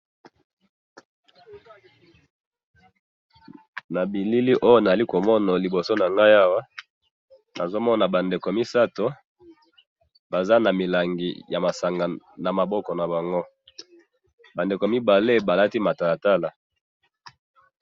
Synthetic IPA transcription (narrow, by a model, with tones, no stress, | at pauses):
na˨bi˨li˦li˦ʔo˦jo˦na˨za˨li˦ko˨mɔ˦na˨li˨bo˨so˦na˨ŋɡa˦ja˦wa˦ | na˨zo˦mɔ˦na˨ba˨nde˨ko˨mi˦sa˦to˦ | ba˨za˦na˨mi˨la˨ŋɡḭ˨ja˨ma˨sa˨ŋɡa˨ | na˨ma˨bɔ˦kɔ˨na˨ba˨ŋɡo˦ | ba˨nde˨ko˨mi˦ba˨le˦ba˨la˦ti˦ma˨ta˨la˨ta˦la˨